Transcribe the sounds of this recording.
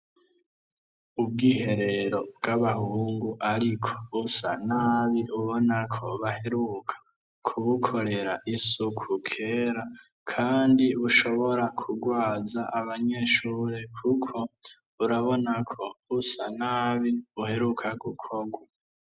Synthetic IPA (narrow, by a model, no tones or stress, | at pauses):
ub̚ɡiːɦe̞ɾe̞ɾo̞bɡaβahuːŋɡuʔaɾikʰo̥usa̰naːβiʔuβo̞nakʰo̞βahe̞ɾukʰḁ | kʰuβukʰo̞ɾe̞ɾaʔisukʰukʰe̞ːɾa | kʰaːndiβuʃo̞βo̞ɾakʰuɡwaːzaʔːβaɲe̞ːʃuːɾekʰukʰo̞ | uɾaβo̞nakʰo̞usanaːβiuhe̞ɾukʰaɡukʰoɡwa